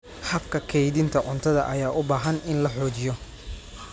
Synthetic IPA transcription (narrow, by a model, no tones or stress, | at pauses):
hɐbkʰɐkʰɛjðɪnt̪ʰɐʕʊnt̪ʰɐðɐ̰ʔɐ̰jaːʔʊbaːɦɐnɪnlɐħɔːt͡ʃɪjɔ